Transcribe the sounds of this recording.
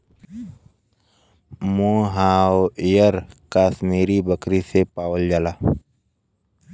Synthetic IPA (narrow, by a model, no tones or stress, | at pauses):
mõːɦãːoijəɾkaːsmiːɾibəkɾisepaːwəld͡ʒalaː